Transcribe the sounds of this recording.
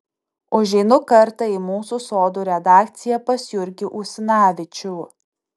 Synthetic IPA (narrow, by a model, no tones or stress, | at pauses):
ʊʒʲɛɪnʊkɐɾt̪ɐimuːsuːsoːd̪uːɾʲɛd̪ɑːkt̪sʲɪjɛpɐsʲjʊɾʲɡʲɪʔusʲɪnɑːʋʲɪt͡ʃʲʊː